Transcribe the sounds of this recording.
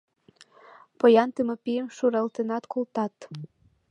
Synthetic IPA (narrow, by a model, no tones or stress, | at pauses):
pojɑnt̪emɤpijəmʃuɾɑlˠt̪enɑt̪kulˠt̪ɑt̪